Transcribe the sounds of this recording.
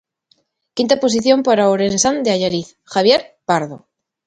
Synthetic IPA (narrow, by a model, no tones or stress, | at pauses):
kint̪apo̞siθjo̞mpaɾaoɾensand̪eaʝaɾiθ | xaβ̞jeɾpaɾðo̰